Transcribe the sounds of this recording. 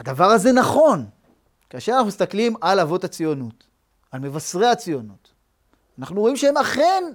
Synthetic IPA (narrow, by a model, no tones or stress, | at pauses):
ad̪avaʁaze̞naχo̞n | kaaʃe̞ʁanaχumist̪aklimalavo̞that͡sijo̞nut | alme̞vasʁeat͡sijo̞nut | anaχnuʁo̞imʃeemaχen